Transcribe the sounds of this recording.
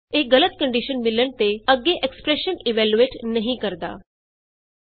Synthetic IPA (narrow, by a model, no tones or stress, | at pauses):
eɡələt̪kəɳɖiʃənmilːəɳt̪eəɡːeʔekspɾeʃəniʋæljueʈnəɦĩkəɾt̪a̰ː